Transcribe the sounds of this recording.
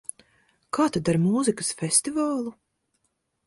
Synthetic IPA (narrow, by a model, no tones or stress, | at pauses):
kʰaːt̪ad̪aɾmuːzikɨ̥sfʲesʲt̪ivaːlˠu